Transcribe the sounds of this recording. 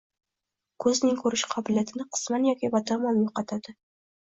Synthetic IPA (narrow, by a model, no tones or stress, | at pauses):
kʰɵznɪŋkʰɵɾɪʃqʰɒbɪlijat̪ʰɪnɪqʰɨ̥smanjɒkʲɪbɒt̪ʰamɒnjoqɑt̪ʰad̪̥ɪ